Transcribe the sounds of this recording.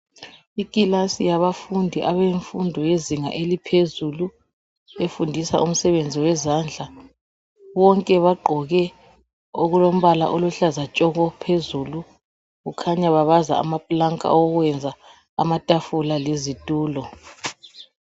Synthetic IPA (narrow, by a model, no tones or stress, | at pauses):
ikʼilasijaβafundʱiʔaβɛɱfundʱɔjeziŋa̰ʔelipʰezulu | efundʱisa̰ʔum̩sɛβend͡zʱiwɛzand͡ɮʱa | βɔŋkʼɛβaɡ͡ǃʱɔɣɛ | oɣulom̩βala̰ʔoluɬazat͡ʃʼɔɣɔpʰezulu | ɣukʰaɲaβaβaza̰a̰mapʼlaŋkʼa̰ɔɣwɛnd͡zʱaː | matʼafulalezitʼuːlɔ